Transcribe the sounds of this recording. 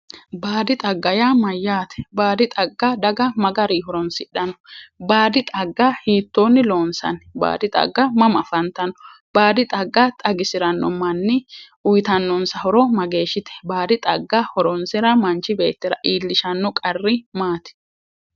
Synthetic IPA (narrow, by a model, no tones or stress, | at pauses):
baːd̪ɪt̪ʼɐɡːɐjaːmɐjːaːt̪ɛ̥baːd̪ɪt̪ʼɐɡːad̪ɐɡɐmɐɡɐɾiːhɔɾɔnsɪɗɐnɔ̥baːd̪ɪt̪ʼɐɡːahiːt̪ːoːnːɪlo̞ːnsɐ̰nba̰ːd̪ɪt̪ʼɐ̰ɡːɐmɐmɐfɐnt̪ɐnɔ̥ | b̥aːd̪ɪt̪ʼɐɡːat̪ʼɐɡɪsɪɾɐnːɔmɐnːɪ | ʊjt̪ɐnːɔnsɐhɔɾɔmɐɡe̞ːʃɪt̪ɛ̥baːd̪ɪt̪ʼɐɡːahɔɾɔnsɪɾɐmɐnt͡ʃːɪbe̞̰ːt̪ːɪɾɐ̰ʔiːlːɪʃɐnːɔkʼɐrːɪmaːt̪ɛ̥